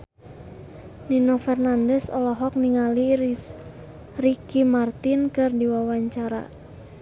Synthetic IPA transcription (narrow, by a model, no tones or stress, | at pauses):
ninɔfɛrnandɛsɔ̰lɔɦɔk̚niŋali | rikimart̪inkɨrdiwawaɲt͡ʃaɾa̰